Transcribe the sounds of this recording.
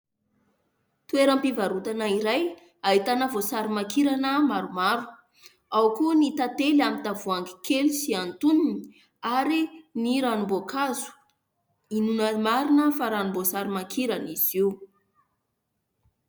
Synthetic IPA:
t̪ueɾampivaɾut̪anaiɾaj | ait̪anəvosaɾimakiɾanəmaɾumaɾu̥ | awkunit̪at̪elamit̪avuaŋɡi̥kʰelusiant̪uninii | aɾiniɾanumbokʰazu̥ | inunəmaɾinəfaɾanumbosaɾimakʰiɾaniziu

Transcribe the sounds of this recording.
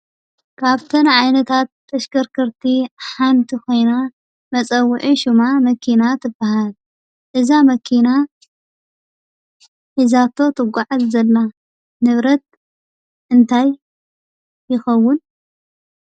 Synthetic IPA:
kʰaβt̪ʰɨnʕajnɐt̪ʰat̪ːɐʃkɐɾkʰɐɾt̪ʰiħant̪ʰikʰo̞jna | mɐt͡sʼɐwːʊʕiʃumamɐkʰinat̪ʰɨbːaɦal | ʔɨzamɐkʰina | ħizat̪ʰo̞t̪ʰɨɡʷaʕazzɐlːa | nɨβɾɐt̪̚ | ʔɨnt̪ʰaj | ɪxɐwːʊn

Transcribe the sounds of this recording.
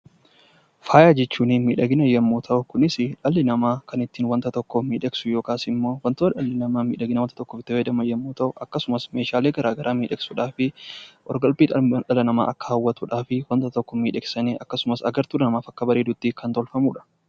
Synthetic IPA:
faːjaːd͡ʒɛt͡ʃːuːnɪmiːᶑɐɡɪnɐjːɐmːuːt̪ʰɐʔʊkʊnɪsɪᶑɐlːɪnɐmaːkɐnɪt̪ːiːnwɐnt̪ɐt̪ɔkːɔmiːᶑɐksʊjoːkaːsɪmːo̞ːwɐnt̪ʊɐᶑɐlːɪnɐmaːmḭːᶑɐɡɪnɐwɐnt̪ɐt̪ɔkːɔfɪt̪ːɪed̪ɐmɐjːɐmːuːt̪ɐʔʊʔɐkːɐsʊmɐsme̞ːʃaːleːɡɐɾaːɡɐɾʔaːmiːᶑɛksuːᶑaːfɪʔɔ̰ɾɡɐlbiːᶑɐᶑɐlɐnɐma̰ːʔɐkːɐ̥hɐwːɐt̪uːᶑaːfɪwɐnt̪ɐt̪ɔkːɔmiːᶑɛksɐneːʔɐkːɐsʊmɐsɐɡɐɾt̪uːᶑɐnɐmaːfɐkːɐbɐɾeːd̪ʊt̪ːikɐnt̪ɔlfɐmuːᶑɐ̥

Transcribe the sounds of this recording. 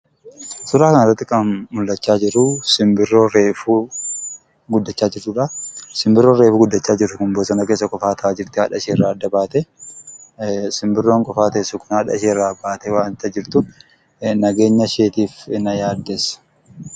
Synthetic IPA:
sʊɾaːkɐnɪrːɐt̪ːɪkʼɐnmʊlːɐt͡ʃːaːd͡ʒɪɾʊsɪmbɪrːo̞ːɾeːfuː | ɡʊd̪ːɐt͡ʃːaːd͡ʒɪɾt͡ʃʊᶑɐsɪmbɪrːoɾe̞ːfuːɡʊd̪ːɐt͡ʃːaːd͡ʒɪɾʊkʊmboːsɐnɐke̞ːsːɐkʼɔfaːt̪ʰɐʔaːd͡ʒɪɾt̪ɪhɐᶑɐʃeːrːaːɐd̪ːɐbaːt̪ɛ | sɪmbɪrːoːŋkʼɔfaːt̪ɐɛsːʊkʊnhɐᶑɐ̰ʃeːrːaːbaːʔt̪ɛwaːnt̪ːɐd͡ʒɪɾt̪ʊ | nɐɡe̞ːɲːɐʃe̞ːt̪iːfɪnɐjaːd̪ːɛsɐ̥

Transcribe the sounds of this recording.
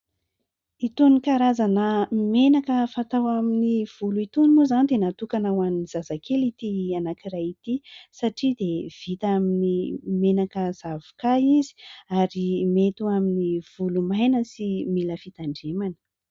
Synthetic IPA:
it̪unikaɾazanəmenakəfat̪awaminiv̥uluit̪unimuzant̪enat̪ukanawaniz̥azakʰelit̪ianakirajit̪isaʈ͡ʂid̪ev̥it̪aminimenakəz̥avu̥kaizi̥aɾimet̪uaminiv̥ulumajnəsimiləfit̪aɳɖ͡ʐemanə̥

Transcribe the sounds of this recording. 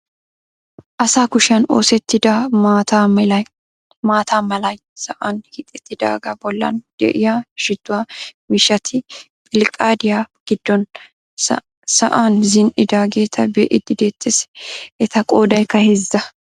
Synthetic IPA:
ʔɐsaːkʊʃɐno̰ːsɛt̪ːɪd̪amaːt̪aːmɛlɐj | maːt̪ʰaːmɐlɐj | sɐʔanhɪt̪ʼːɛt̪ːɪd̪a̰ːɡɐbɔlːɐ̰nd̪̥ɛ̰ʔɪjaːʃɪd̪ːʊwaːmɪʃɐt̪ʰɪ | pʼɪlkʼaːd̪ɪjaːɡ̥ɪd̪̥ːɔn | sɐ̰ʔanzɪnʔɪd̪aːɡeːt̪ʰɐbɛʔɪd̪ːɪd̪eːt̪ʼːɛsɛ̥ʔɛt̪ɐkʼo̞ːd̪ɐjkːɐhɛzːɐ

